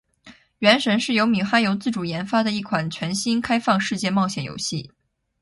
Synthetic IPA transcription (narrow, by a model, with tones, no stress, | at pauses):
ɥɛ˧˥nʂə˧˥nʂɻ̩˥˩jo˧˥ʊmi˨˥xa˥njo˧˥ʊt͡sɹ̩˥˩ʈ͡ʂu˨˩jɛ˧˥nfa˥d̪ə˨i˥˩kʰwa˨˩nt͡ɕʰɥɛ˧˥nɕi˥nkʰa˥ɪfɑ˥˧ŋʂɻ̩˥˧t͡ɕjɛ˥˧mɑ˥˩ʊɕjɛ˨˩njo̰˧˥ʊɕi˥˩